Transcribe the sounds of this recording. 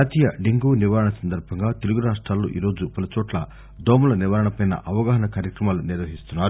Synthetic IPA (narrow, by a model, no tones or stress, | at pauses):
aːt̪iːjɐɖiŋɡuːniʋaːɾɐɳɐsɐnd̪ɐɾbʱɐŋɡaːt̪eluɡuɾaːʂʈɾaːlːo̰ːʔḭːɾo̞ːd͡ʒupɐlɐt͡ʃɔːʈlɐ | d̪ʱoːmulɐniʋaːɾɐɳɐpɐjnɐ̰ʔɐʋɐɡaːɦɐɳɐkaːɾjɐkɾɐmaːluniɾʋɐɦist̪unːaːɾu